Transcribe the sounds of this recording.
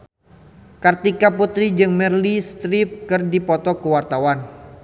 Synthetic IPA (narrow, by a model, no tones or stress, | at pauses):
kart̪ikaput̪ɾid͡ʒɨŋmɛrlist̪ɾip̚kɨrdipɔt̪ɔkəwart̪awan